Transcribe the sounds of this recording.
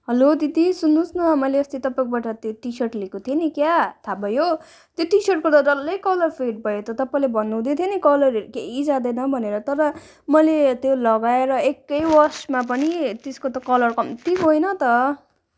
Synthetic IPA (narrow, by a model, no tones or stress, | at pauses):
ɦʌlot̪it̪isunːũsnʌmʌjleʌst̪it̪ʌpaẽkobaʈʌt̪joʈisʌrʈlekot̪ʰienikjat̪ʰabʱʌjo | t̪joʈisʌrʈ̚kod̪ʌd͡zʌlʌjkʌlʌrpʰeʈ̚bʱʌjot̪ʌt̪ʌpãlebʱʌnːũw̃d̪et̪ʰjenikʌlʌɾeɾkeid͡zad̪ʌjnʌbʱʌneɾʌt̪ʌɾʌ | mʌjlet̪jolʌɡaeɾʌekːʌjwʌrsmap̬ʌnit̪eskot̪ʌkʌlʌrkʌmt̪iɦojnʌt̪ʌ